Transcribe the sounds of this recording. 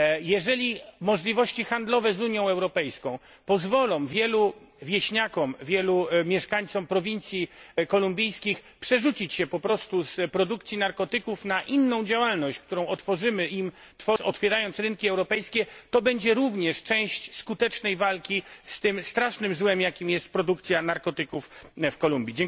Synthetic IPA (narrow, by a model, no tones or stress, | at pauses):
jɛʐɛlʲimɔʐlʲivɔɕt͡ɕixand̪lɔvɛzuɲjɔ̃w̃ɛwɾɔpɛjskɔ̃w̃ | pɔzvɔlɔ̃w̃vʲjɛlu | vʲjɛɕɲakɔmvʲjɛlumʲjɛʂkaɲʲt̪sɔmpɾɔvʲint̪sʲjikɔlumbʲijskʲix | pʂɛʐut͡ɕit͡ɕɕɛpɔpɾɔst̪uspɾɔd̪ukt̪sʲjinaɾkɔt̪ɘkufnaʔinːɔ̃w̃d͡ʑawalnɔɕt͡ɕk̚t̪uɾɔ̃w̃ɔt̪fɔʐɘmɘʔim | t̪fɔɔt̪fʲjɛɾajɔnt̪sɾɘnkʲiɛwɾɔpɛjskʲɛt̪ɔbɛɲd͡ʑɛɾuvɲɛʂt͡ʂɛ̃w̃ɕt͡ɕskut̪ɛt͡ʂnɛjvalkʲist̪ɘmst̪ɾaʂnɘmzwɛmjakʲimjɛst̪̚pɾɔd̪ukt̪sʲjanaɾkɔt̪ɘkuffkɔlumbʲjid͡ʑɛŋ